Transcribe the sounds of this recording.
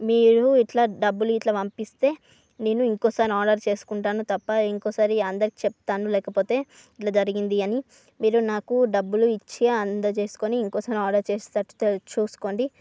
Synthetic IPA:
miːɾuiʈlaɖɐbːuluiʈlɐːʋɐmpist̪e̞ː | ne̞ːnuiŋkɔːsaːɾiaːɖɐɾt͡ʃe̞ːsu̥kuɳʈaːnut̪ɐpːɐiŋkoːsaːɾiɐnd̪ɐɾikit͡ʃɛp̚t̪aːnulɛːkɐpo̞ːt̪e̞ː | iʈlɐːd͡ʒɐɾiɡind̪iɐni | miːɾunaːkuɖɐbːuluit͡ʃːiɡaɐnd̪ɐt͡ʃe̞ːsu̥koːniːŋkɔːsaːɾiaːɖɐɾt͡ʃe̞ːst̪ɐʈu̥t̪t͡ʃuːsu̥ko̞ːɳɖi

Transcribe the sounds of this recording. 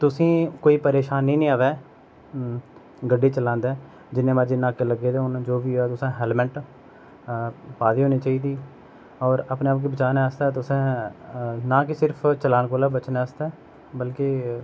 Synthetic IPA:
t̪ʊsĩːkoːiːpəɾeːʃaːnːĩːnĩːaːʋɛː | ɡəɖːeːt͡ʃəlãːnd̪ɛː | d͡ʒɪnẽːmaːd͡ʒenaːkeːləɡeːd̪eːʊnd͡ʒoːbiːɛːt̪ʊsẽːɦɛːlmɛ̃ɳʈ | paːd̪iːɦoːniːt͡ʃaːiːd̪iː | ɔːɾəpneːaːp̚keːbət͡ʃaːneəst̪aːt̪ʊsẽː | naːkɪsɪɾpʰt͡ʃəlaːnkoːlaːbət͡ʃneəst̪ɛː | bəlkeː

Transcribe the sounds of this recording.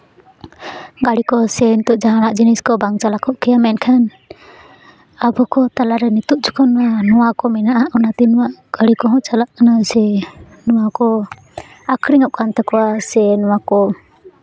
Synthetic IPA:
ɡaɽikɔsɛnit̪uʔd͡ʒaɦanaʔd͡ʒiniskɔbaŋt͡ʃalakʰɔʔkɛjamɛnkʰan | abɔkɔt̪alaɾɛnit̪uʔ̚t͡ʃɔ̥kʰɔnanɔwakɔmɛnaʔaʔunat̪inɔwaʔɡ̥aɽikɔɦɔ̃t͡ʃalaʔnasɛ | nɔwakɔ | akʰɾiŋɔʔ̚kant̪ɛkɔwasɛnɔwakɔ

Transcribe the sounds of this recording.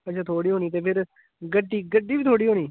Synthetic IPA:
ətːt͡ʃʰaːt̪ʰoːɽiːɦoːniːt̪eːpʰɪɾ | ɡəɖːiːɡəɖːiːʋiːt̪ʰoːɽiːɦoːniː

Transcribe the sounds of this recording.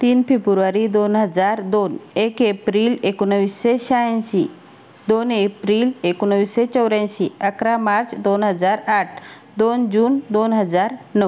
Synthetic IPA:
t̪iːnpebuɾʋaɾid̪onɦəd͡zaɾd̪onekepɾilekunəʋiseɕajãnsi | d̪onepɾilekunəʋiset͡ɕəwɾãsiəkɾamaɾt͡sd̪onɦəd͡zaɾaʈ̚ʰ | d̪ond͡ʑuːnd̪onɦəd͡zaɾnə

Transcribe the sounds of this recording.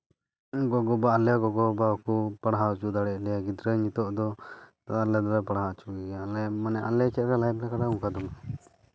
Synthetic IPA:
ɡɔɡɔbaːlɛjaɡɔɡɔbaɔkupaɽɦaut͡ʃud̪aɽɛʔlɛjaɡit̪ɾəɲit̪ɔʔd̪ɔ | aalɛd̪aɾɛpaɽɦat͡ʃuɡɛɡalɛmanɛʔalɛt͡ʃɛt̪̚ɾalajp̚lakaɽauŋkʰad̪ɔma

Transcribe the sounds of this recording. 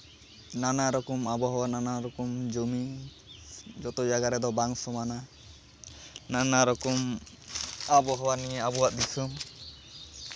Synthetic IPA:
nanaɾɔkɔmabɔɦɔwananaɾɔkɔmd͡ʒomi | d͡ʒɔt̪ɔd͡ʒaɡaɾɛd̪ɔbaŋsɔmana | nanaɾɔkɔm | abɔɦɔwanieabɔwaʔ̚d̪isɔm

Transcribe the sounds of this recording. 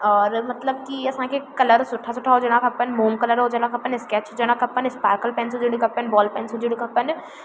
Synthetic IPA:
ɔːɾmɐt̪ləb̚kiɐsãːkekɐləɾsʊʈʰasʊʈʰːaɦoːd͡ʒɐnãkɐpːənmoːmkɐləɾɦod͡ʒənãkʰɐpːənɪskɛt͡ʃʰod͡ʒənãkɐpːənɪspaːɾkəlpɛːnsɦod͡ʒiɽikɐpːənbɔːlpɛːnsɦod͡ʒiɽikɐpːən

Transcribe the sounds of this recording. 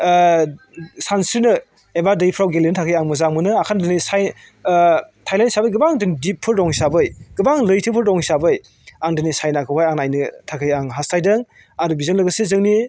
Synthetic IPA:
sansɾinɯ | ebadɯjpʰɾawɡelentʰakʰɯjaŋmɯzaŋmɯnɯakʰandɯnisaj | tʰajlantsabɯjɡɯbaŋdɯnidipʰːɯɾdɔŋsabɯjɡ̥ɯbaŋlɯjtʰɯpʰɯɾdɔŋsabɯj | aŋdɯnisajnakʰɯwajaŋnajnɯtʰakʰɯjaŋɦastʰajdɯŋ | aɾubizɯnlɯɡɯsezɯŋni

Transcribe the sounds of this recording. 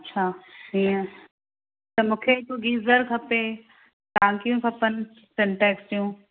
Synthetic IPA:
ɐtːʃʰaːɦiːə̃ | t̪ɐmũːkʰekoɡiːzəɾkʰɐpe | t̪ãːŋkijũkʰɐpən̆ | sɛ̃ɳʈɛːksʈijũː

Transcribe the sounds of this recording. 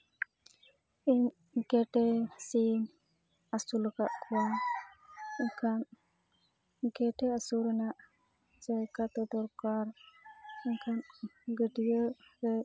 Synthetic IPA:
iɲ | kɛʈɛsin | asulɔkaʔkʰɔwa | iɲkʰan | kɛʈɛasuɾɛnaʔ | d͡ʒajkat̪ɔd̪ɔɾkaɾ | iɲkʰanɡəɖijəɾɛ

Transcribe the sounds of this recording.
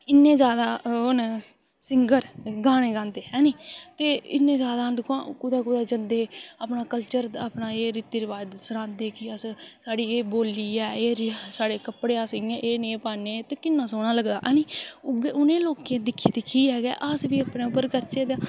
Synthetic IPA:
ɪnːẽːzjaːd̪aːon | sɪŋɡəɾɡaːɽ̃eːɡãːnd̪eːɦɛːnĩːt̪eːɪ̰nːẽːzjaːd̪aːnd̪ɪkʰãːkʊd̪aːkʊd̪aːd͡ʒənd̪eːaːpnaːkəlt͡ʃəɾaːpnaːeːɾɪt̪iːɾɪʋaːd̪səɾãːd̪eːkɪəssaːɽiːeːboːlːiːɛːeːɾsaːɽeːkəpɽeːaːsɪɡɪãʔeːnẽːpaːneːt̪eːkɪnːãːsoːɽaːləɡd̪a̰ːʔɛːniːbeʔʊnẽːloːkẽːd̪ɪkʰːiːd̪ekʰːiːɛːɡɛ̰ːʔəsʋiːəpneːʊpːəɾkəɾt͡ʃeːd̪aː

